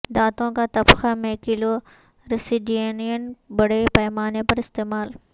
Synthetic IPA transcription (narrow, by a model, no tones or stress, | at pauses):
d̪aːt̪õkat̪ɐbxamẽkɪlo | ɾɪsɪɖienijənbɐɽepɐːmaːnepɐɾɪst̪eːmaːl